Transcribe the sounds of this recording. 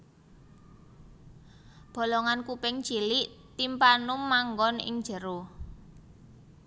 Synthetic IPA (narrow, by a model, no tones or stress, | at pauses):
b̥o̤lɔŋankupɪŋt͡ʃilɪʔt̪impanʊmːaŋɡɔnɪ̰ŋ̥ʒ̥ə̤ɾo